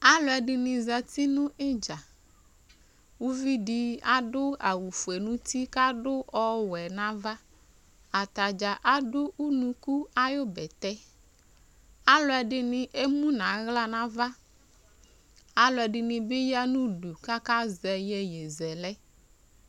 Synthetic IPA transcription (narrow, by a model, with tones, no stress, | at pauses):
a˦lɔ˦ɛ˨ɖɪ˨nɪ̃˨za˨t̪i˦nũ˦ʔe˦d͡ʒa˨ | wu˦vi˦ɖi˦a˦ɖʊ˦a˨wu˨fu˨e˨nũ˦t̪i˦ka˦ɖʊ˦ʔɔ˦wɛ˨nã˦va˦ | a˨t̪a˨d͡ʒa˨ʔa˦ɖʊ˦u˦nũ˦ku˦a˦jo˦bɛ˨t̪ɛ˦ | a˦lɔ˦ɛ˨ɖɪ˨nɪ̃˨ʔe˦mũ˦nã˨˦ɣla˦nã˦va˦ | a˦lɔ˨ɛ˨ɖɪ˨nĩ˨bɪ˦ja˦nũ˦ɖu˨ka˦ka˦zɛ˨jɛ˦je˨zɛ˨lɛ˦